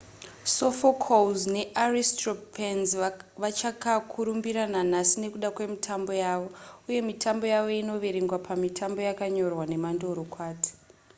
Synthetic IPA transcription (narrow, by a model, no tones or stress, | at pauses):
so̞fokʰolzne̞ʔaristropenzʋat͡ʃakakʰuɾumbiɾananasine̞kuɗakwe̞mitʰambo̞jaːʋo̞uje̞mitʰambo̞jaʋo̞ino̞ʋe̞ɾeŋɡwapʰamitʰambo̞jakaɲo̞rwane̞mando̞ɾo̞kwaːti̥